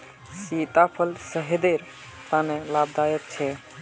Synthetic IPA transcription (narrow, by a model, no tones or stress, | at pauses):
sit̪apʰəlsəɦed̪eɾ | t̪anelabd̪ajək̪̚t͡ʃʰɛ